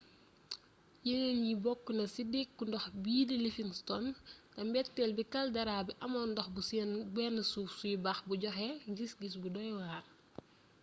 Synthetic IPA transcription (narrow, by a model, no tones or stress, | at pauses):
jiŋenjibɔkːunɐsidekːundɔxbiːdilifiŋstɔntɐmbɛtːɛlbikɐldɐɾaːbiʔɐmɔndɔxbusbɛnɐsuːfsujibaxbuɟɔxɛɡisɡis̬budɔjwaːr